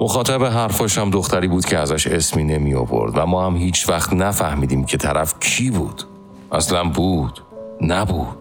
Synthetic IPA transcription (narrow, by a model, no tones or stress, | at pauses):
moxɒːt̪ʰæbeɦæɾfɒʃæmd̪oxt̪ʰæɾiːbuːd̪̥kcʰeæzæʃesmiːne̞mijo̰vo̰ɾd̪væmɒːhæmɦiːt͡ʃʰvæxt̪næfæhmiːd̪iːmcʰe̞t̪ʰæɾæfcʰiːbuːd̪̥ | ʔæslænbuːd̪̥næbuːd̪̥